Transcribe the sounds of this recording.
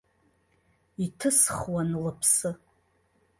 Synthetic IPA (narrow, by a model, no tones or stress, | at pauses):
itʰɨsχwanlɨpʰsɨ